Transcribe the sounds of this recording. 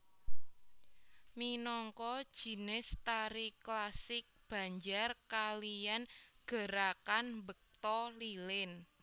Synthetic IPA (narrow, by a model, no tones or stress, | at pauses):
minɔŋkɔd̥ʒ̥i̤nɪst̪aɾiklasɪk̚b̥ä̤ɲd͡ʒarkalijanɡ̥ə̤ɾakanbək̚t̪ɔlilɪn